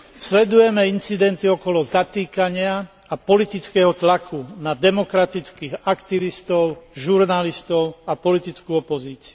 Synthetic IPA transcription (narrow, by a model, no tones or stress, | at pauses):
slɛd̪ujɛmɛint͡sid̪ɛnt̪iɔkɔlɔzat̪iːkaɲɪa | apɔlit̪it͡skɛɦɔt̪lakʰunad̪ɛmɔkɾat̪it͡skiːɣakt̪iʋist̪ɔʊʒuɾnalist̪ɔʊapɔlit̪it͡skuːɔpɔziːt͡si̥u